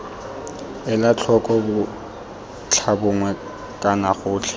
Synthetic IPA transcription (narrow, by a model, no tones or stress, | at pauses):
ɪlat͡ɬʰɔkʼɔbʊ | t͡ɬʰabʊŋwɛ | kʼanaχʊːt͡ɬʰɛ̥